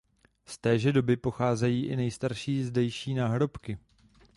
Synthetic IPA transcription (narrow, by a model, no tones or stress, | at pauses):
st̪ɛːʒɛdo̞bɪpo̞xaːzɛjiːʔɪnɛjst̪aɾʃiːzdɛjʃiːnaːɦɾo̞pkɪ